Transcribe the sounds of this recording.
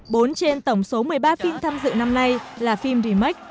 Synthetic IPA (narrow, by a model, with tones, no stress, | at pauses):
ɓo˨˦nt͡ɕe˧nt̪ə˧˩wŋ͡mso˨˦mɨ˨˩əjɓaː˧fi˧mt̪ʰaː˧mzɨ̰˧˨na˧mna˧jlaː˨˩fi˧mɗi˨˧˩ma˦˥k̟̚